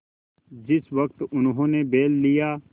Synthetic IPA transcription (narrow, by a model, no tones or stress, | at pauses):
d͡ʒɪsʋɐk̚t̪ʊnɦõːnebeːlːijaː